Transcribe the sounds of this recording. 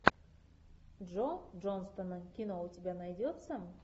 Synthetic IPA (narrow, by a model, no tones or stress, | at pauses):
d̪ʒod̪ʒo̞nst̪onːəŋkʲino̞wʊt̪ʲebʲænɑjd̪ʲot̪səm